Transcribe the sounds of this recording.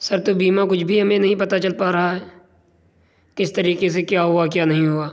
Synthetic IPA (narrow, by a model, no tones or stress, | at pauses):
sɐɾt̪obiːmãkʊt͡ʃʰbʱiɦɐmẽnɐɦĩpɐt̪at͡ʃɐlpaɾɐɦaɦɛː | kɪst̪ɐɾiːqes̬ekjaːɦʊakjaːnɐɦĩɦuaː